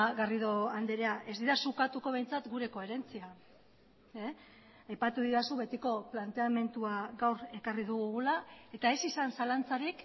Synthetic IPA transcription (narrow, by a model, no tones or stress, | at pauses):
ɣariðo̞and̪eɾeaʔe̞zd̪iɾasukat̪uko̞β̞e̞jnt͡sat̪ɡuɾe̞ko̞e̞ɾe̞nt͡sia | ajpat̪uðiɾasuβe̞t̪iko̞plant̪e̞ame̞nt̪uaɣawɾe̞kariðuɣuɣulae̞t̪ae̞sisansalant͡saɾik